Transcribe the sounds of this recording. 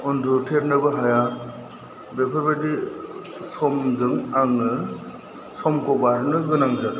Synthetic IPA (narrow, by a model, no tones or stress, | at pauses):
ɔndutʰeɾnɯbɯɦaja | bepʰebedi | sɔmzɯŋaŋɯ | sɔmkɔbaɾnɯɡɯnaŋd͡ʒad